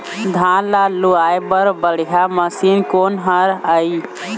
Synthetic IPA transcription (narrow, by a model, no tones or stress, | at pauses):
d̪ʱalaluajbəɾbəɽ̤ijaməsinkonɦəɾəj